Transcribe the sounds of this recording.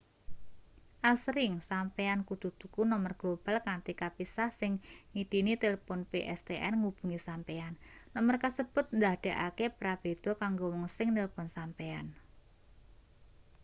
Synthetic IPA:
ʔasɾɪŋsampeankud̪̥ut̪ukunɔmərɡ̥lob̥a̤lkant̪ikapisahsɪŋŋiɖ̪̥i̤nit̪eləpɔnpeʔɛst̪eʔɛnŋub̥ṳŋisampeanːɔmərkasəb̥ʊ̤t̪̚nd̪ahɖ̥e̤ʔakepɾab̥ed̪̥o̤kaŋɡowɔŋsɪŋnelpɔnsampean

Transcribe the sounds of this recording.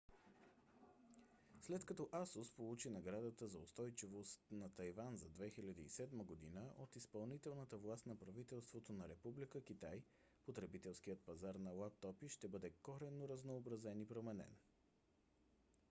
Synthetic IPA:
slɛt̪kɐt̪ɔʔasospolˠut͡ʃinɐɡɾad̪ət̪əzɐost̪ɔjt͡ʃivost̪nɐt̪ɐjvanzɐd̪vɛxilʲɐd̪əḭsɛd̪məɡod̪inəʔot̪ispɐlˠnit̪ɛlˠnət̪əvlˠast̪nɐpɾɐvit̪ɛlˠst̪vot̪onɐɾɛpublikək̟it̪aj | pot̪ɾɛbit̪ɛlˠskiət̪̚pɐzaɾnɐlˠap̚t̪ɔpiʃt̪ɛbɤd̪ɛkɔɾɛnːoɾɐznoːbɾɐzɛnipɾomɛnɛ̰n

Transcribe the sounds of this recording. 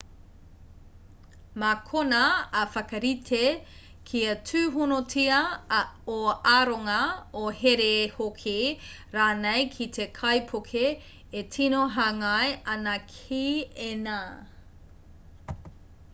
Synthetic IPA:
makʰonɐːfɐkɐɾitʰe | kʰiɐtʰʉːɦunotʰiɐ | oaɾoŋɐoheɾehokʰiɾaːnejkʰitʰekʰɐjpʰokʰeː | tʰinoɦaŋɐjɐnɐkʰiena

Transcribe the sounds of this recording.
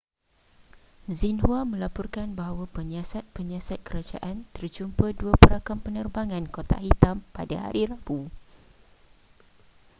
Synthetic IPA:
zinhuamə̃lapɔrkanbaɦawapəɲãsat̪̚pəɲãsat̪̚kəɾad͡ʒa̰ʔant̪ərd͡ʒumpəduapəɾakampənərbaŋãnkot̪a̰ɦit̪ampadaha̰ɾiɾabu

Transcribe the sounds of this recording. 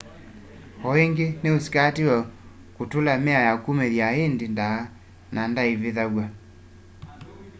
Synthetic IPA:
ɔeŋɡeneosi̥katiwɛ | kutulamɛajakumɛðjaendindaː | nandaiβeðaɣwa

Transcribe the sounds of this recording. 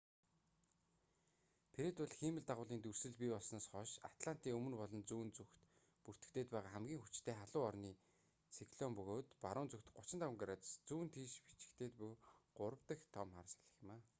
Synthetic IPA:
pʰeɾet̪ʊɮximɘ̆ɮt̪aʁʊːɮiːnt̪ursɘ̆ɮpipɔɮsnaːsχɔʃa̰t̪ɮan̥t̪iːŋɵmɵ̆npɔɮɞ̆nt͡suːnt͡suxt̪ | pur̥t̪ɘ̆kt̪ʰeːt̪̚pæːʁaːχæmɡʲiːŋxut͡ɕt̪ʰeːχaɮʊːɔrniː | sikɮɔmpɵɣoːt̪paɾʊːnt͡suxt̪ɢʊt͡ɕɪ̆nt̪ʰawə̆ŋɡɾat̪st͡suːnt̪ʰiːʃpi̥t͡ɕɪ̥̆kt̪eːt̪puɢ̥ʊɾə̆wt̪ə̆xt̪ʰɔmχarsḁɮə̆xmaː

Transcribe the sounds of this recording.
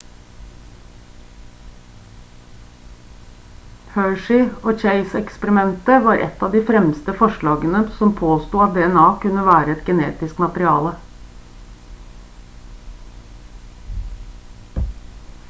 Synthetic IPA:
høːʂɪoːt͡ʃeɪsɛkspəɾɪmɛnt̪əʋɑːɾʔɛ̰t̪ɑːʋd̪iːfɾɛmst̪əfɔʂɭɑːɡənəsɔmpʰoːst̪uːɑt̪̚d̪eːɛnɑːkʉnəʋæːɾəɛt̪ɡənḛːt̪ɪskmɑt̪əɾɪɑ̰ːlə

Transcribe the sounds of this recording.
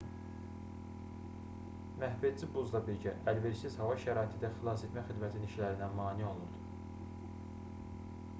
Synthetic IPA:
mæhbed̪d͡ʒibuzd̪ɑbiɾɟæʔælve̞ɾsit̪ʰeshɑvɑʃæɾɑːit̪ʰid̪æfilˠɑs̬ed̪mæxid̪mæt̪ʰiniʃlæɾinæmɑːnio̞lˠuɾd̪u̥

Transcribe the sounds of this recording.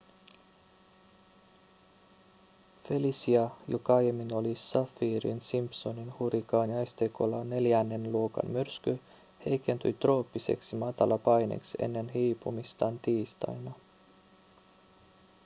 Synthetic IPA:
felisiɑjokɑɑjemːino̞lisɑfːiːɾḭnsimpso̞ninhuɾikɑːnjɑjst̪ekolɑne̞ljænːenluokɑ̰nmyrsky | he̞jke̞nt̪yjt̪ro̞ːpːisḛksimɑt̪ɑlɑpɑjnḛksḛnːe̞nɦiːpumist̪ɑːnt̪iːst̪ɑ̰jnɑ

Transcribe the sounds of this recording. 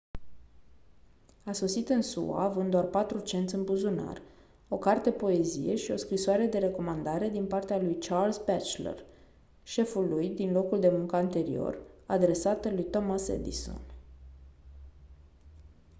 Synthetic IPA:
aso̞sit̪ɨnsṵa̰ːvɨnd̪oarpat̪ɾut͡ʃe̞nt̪sʲɨnbuzuna̰r | o̞kart̪e̞po̞e̞zḭje̞̰ʃio̞skɾisoaɾe̞d̪e̞ɾe̞ko̞mand̪aɾe̞d̪inpart̪ealujt͡ʃarlsbɛt͡ʃlḛr | ʃe̞fulujd̪inlo̞kuld̪e̞muŋkəant̪e̞ɾḭo̞̰rad̪ɾe̞sat̪əlujt̪omasḛd̪ḭso̰n

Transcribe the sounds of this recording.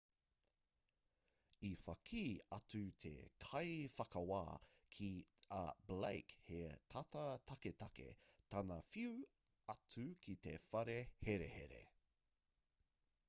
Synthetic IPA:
ifɐkʰiːɐtʉt̪ʰḛkʰɐjfɐkɐwa̰ːkʰiɐblḛjkhet̪ʰɐtɐt̪ʰɐketɐkḛt̪ʰɐnɐfiu | ɐtukʰit̪efɐɾeheɾehḛɾḛ

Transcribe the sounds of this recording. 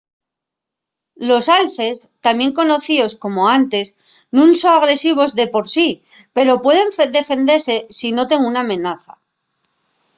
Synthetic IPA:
lo̞salθe̞st̪amje̞ŋko̞no̞θio̞sko̞mo̞ant̪e̞s | nũnsoaɣ̞ɾesiβ̞o̞zðe̞po̞ɾsi | pe̞ɾo̞pwe̞ð̞e̞ɱd̪e̞fe̞nd̪e̞ɾse̞sino̞t̪e̞ŋunamẽ̞naθa

